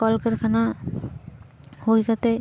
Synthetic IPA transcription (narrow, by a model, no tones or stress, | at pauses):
ɔlkəɾkʰana | hojkat̪e